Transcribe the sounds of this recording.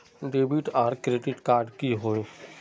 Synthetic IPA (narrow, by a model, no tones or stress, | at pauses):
ɖeːbiʈaːɾkɾeːɖɪʈkaːɾɖkiɦoːe